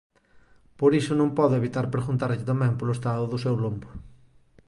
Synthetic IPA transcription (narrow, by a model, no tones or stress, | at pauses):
poɾisʊnõŋpɔðʊeβit̪aɾpɾeɣunt̪aɾʎɪt̪amɛmpoloest̪aðʊðʊsewlumbʊ